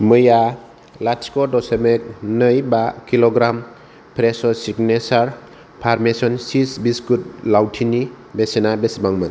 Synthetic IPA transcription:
mɯja | laskɔdɔsemek̚nɯjbakilɔɡɾam | pʰɾesɔsiɡnesaɾ | pʰaɾmesɔnsisbiskut̚lawtʰini | besenabesbaŋmɯn

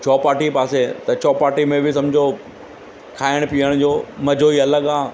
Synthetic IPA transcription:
t͡ɕʰɔːpaːɾʈipaːset̪ɐt͡ɕʰɔːpaːɾʈimẽbʱɪs̬ɐ̃md͡ʑʱo | kʰaːɪɽ̃piəɽ̃d͡ʑoːmɐd͡ʑʱoːiɐləɡaː

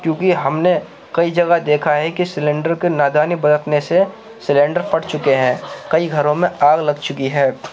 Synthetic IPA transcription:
kjõːkiɦɐmne | kɐid͡ʒɐɡad̪eːkʰaɦɛkisɪlẽːɳɖəɾkenaːd̪aːnibɐd̪ət̪nese | sɪlẽːɳɖəɾpɐʈt͡ʃʊkeɦɛ̃ːkɐiɡʱɐɾõmẽaːɡlɐɡ̚t͡ʃʊkiɦɛː

